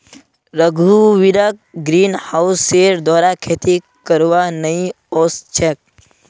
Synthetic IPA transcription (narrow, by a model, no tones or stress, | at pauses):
ɾəɡʱuʋilək̚ɡɾiːnhaʊsːeːɾd̪ɔːɾakʰeːt̪i | kəɾʋanəĩ | oːst͡ʃʰek̚